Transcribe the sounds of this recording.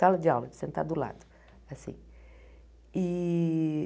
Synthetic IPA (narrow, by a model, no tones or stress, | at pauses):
alɐd͡ʒɪawlɐd͡ʒɪsẽnt̪a̰d̪ʊla̰d̪ʊ | asḭ̃ | ɪ